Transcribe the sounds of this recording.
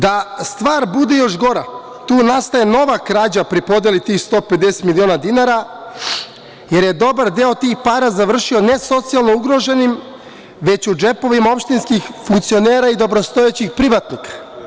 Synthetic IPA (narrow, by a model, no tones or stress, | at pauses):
d̪ast̪ʋaːɾbud̪e̞jo̞ʃɡo̞ɾa | t̪uːnast̪aje̞no̞ʋakɾaːd͡ʑapɾipo̞d̪jelit̪iːxst̪o̞ːpe̞d̪ese̥t̪milio̞ːnad̪inaɾa | jeɾje̞d̪o̞baɾd̪eot̪iːxpaːɾazaʋr̩ʃio̞ne̞so̞t̪sijalˠno̞uɡɾo̞ʒe̞nim | ʋe̞t͡ɕud͡ʒe̞po̞ʋimaopʃt̪inskixfuŋkt̪sio̞neːɾaid̪o̞bɾo̞st̪o̞et͡ɕixpɾiʋat̪nikḁ